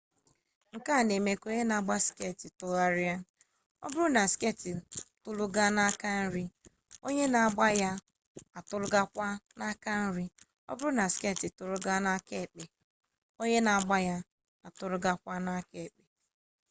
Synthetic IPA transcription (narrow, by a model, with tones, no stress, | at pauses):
ŋ̩˨ka˦˨ne˨me˦ko˦ɲe˦na˨ɡ͡ba˦ske˦˨ti˨tʊ˨ɣa˦ɾɪ˦a˦ | ɔ̰˦bʊ˦ɾʊ˦na˨ske˦˨ti˨tʊ˦lʊ˦ɡa˦na˦ka˦n̩˦ɾi˦ | o˦ɲe˦na˨a˨ɡ͡ba˦ja˦ | a˨tʊ˦lʊ˦ɡa˦kʷa˦na˦ka˦n̩˦ɾi˦ | ɔ̰˦bʊ˦ɾʊ˦na˨ske˦˨ti˨tʊ˨ɾʊ˦ɡa˦na˦ke˦˨k͡pe˨ | o˦ɲe˦na˨a˨ɡ͡ba˦ja˦ | a˨tʊ˦ɾʊ˦ɡa˦kʷa˦na˦ke˨k͡pe˨